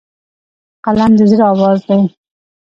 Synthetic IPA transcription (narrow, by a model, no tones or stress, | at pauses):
qalamd̪əziɾɑwɑzd̪aj